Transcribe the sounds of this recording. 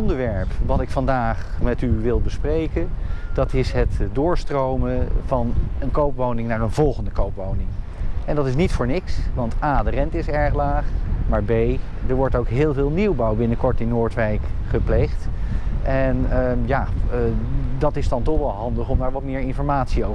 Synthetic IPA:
ɔndəɹʋɛɹpʋɑtɪkfɑndaːχ | mɛtyʋɪlˠbəsprejkənd̥ɑtɪsɦətdʊːɹstrowməvɑnənkowpʋownɪŋnaːɹənvɔlˠχəndəkowpʋownɪŋ | ɛndɑtɪs̬nitfʊːɹnɪksʋɑntaːdərɛntɪsɛɹχlaːχmaːɹbej | dəɹʋɔɹtowkɦɪːlˠvɪːlˠniwbɑwbɪnəkɔɹtɪnːʊːɹtʋɛjkχəplejχtʔɛnja | dɑtɪsdɑntɔχʋɑlˠɦɑndəχɔmdaːɹʋɑtmɪːɹɪnfɔɹmaːtsio

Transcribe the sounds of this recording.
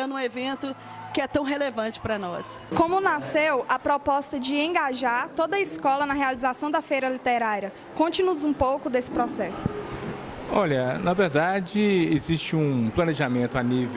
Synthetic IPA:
ɐ̃ũevẽnt̪ʊ | kɪɛt̪ɐ̃w̃ɦelevɐ̃t͡ʃɪ̥pɾɐnɔ̰skõmʊnasewɐpɾɔpɔst̪ɐd͡ʒɪẽɡaʒaɾt̪od̪ɐiskɔlɐnɐɦealizasɐ̃w̃d̪ɐfejɾɐlit̪eɾaɾiɐ | kõnt͡ʃɪnʊzũpowkʊd̪esɪ̥pɾɔsɛsʊ̥ | ɔʎɐnɐveɾd̪ad͡ʒɪezist͡ʃɪũplɐ̃neʒamẽnt̪ʊaniv

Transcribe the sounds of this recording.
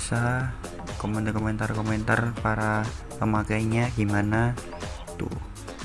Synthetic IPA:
sa | komɛnkɔmɛnt̪arkɔmɛnt̪arpaɾa | pəmakaiɲaɡimana | t̪ṵ

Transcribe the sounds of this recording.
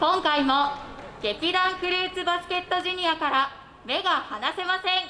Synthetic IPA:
kõ̞ŋkaimo̞ɡ̥e̞kʲid̪ãŋkɯ̟ɾʲɯːt͡sɨbasɨ̥ke̞t̪ːo̞ʑiɲʲiakaɾa | me̞ɡahanase̞masẽ̞ŋ

